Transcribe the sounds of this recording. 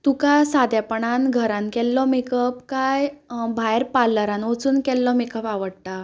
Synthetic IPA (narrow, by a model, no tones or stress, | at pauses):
t̪ukasad̪japəɳanɡʱəɾãnkɛlːɔmekəpkajbʱajəɾpalːəɾãnʋot͡suːnkɛlːɔmekəpaʋəɽt̪a